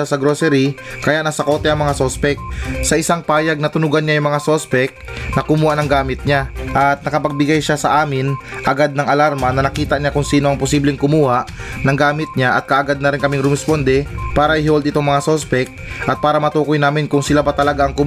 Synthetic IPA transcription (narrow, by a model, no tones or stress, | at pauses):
sɐɡɾoːsɛɾikɐjaʔnɐsɐko̞ːt̪ɛʔɐŋmɐŋasospɛk̚sɐʔɪsaŋpaːjɐɡ̚nɐt̪ʊnʊɡɐnɲajʊŋmɐŋasospɛk̚ | nɐkʊmuːhanɐŋɡaːmɪt̪̚ɲaʔɐt̪̚nɐkɐpɐɡ̚bɪɡajʃasɐʔaːmɪnʔɐɡad̪̚nɐŋɐlaɾmɐnɐnɐkiːt̪ɐʔɲakʊŋsiːnoɐŋpʊsiːblɛŋkʊmuːhaʔnɐŋɡaːmɪt̪̚ɲaʔɐt̪̚kɐʔɐɡad̪̚nɐɾɪnkɐmɪŋɾɛmɛspond̪ɛpaːɾɐʔɪhold̪ʔɪt̪oŋmɐŋasospɛk̚ | ʔɐt̪̚paːɾɐmɐt̪uːkojnaːmɪnkʊŋsɪlabɐt̪ɐlɐɡaʔɐŋkʊ